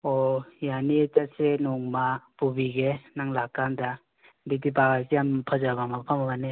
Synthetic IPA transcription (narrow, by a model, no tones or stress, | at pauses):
ɔjanietasenɔŋmapubiɡenaŋlakːanda | bidibaɡasijampʰazabamapʰamabane